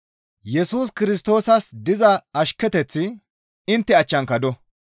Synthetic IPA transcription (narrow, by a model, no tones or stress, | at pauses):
jɛsuːs̬kɪɾɪs̬t̪o̞ːsɐsd̪ɪzɐɐʃkːɛt̪ɛt͡sːɪ | ɪnt̪ːɪɐt͡ʃːɐŋkɐd̪ɔ